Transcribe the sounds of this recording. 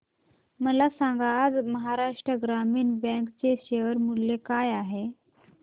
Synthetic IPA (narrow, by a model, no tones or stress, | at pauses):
məlasãŋɡaːd͡zməɦaɾaʂʈɾəɡɾamiːnbɛ̃ŋkt͡seɕeʋəɾmulːekajaɦe